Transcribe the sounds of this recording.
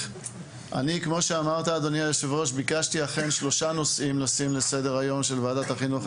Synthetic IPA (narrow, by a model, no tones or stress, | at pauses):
ʔa̰nikmo̞ʃeamaʁt̪aːd̪o̞niajoʃevʁo̞ʃbikaʃtiaχe̞nʃlo̞ʃano̞sʔimlasimle̞se̞de̞ʁajo̞mʃe̞lvaːdat̪haχinuχ